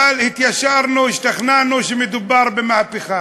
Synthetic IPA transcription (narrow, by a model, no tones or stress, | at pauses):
alhɪt̪jaʃɑɾˤnuwɪʃt̪axnaʕnuʃɪmɪd̪ʊbːɑɾˤbɪmahpɪxa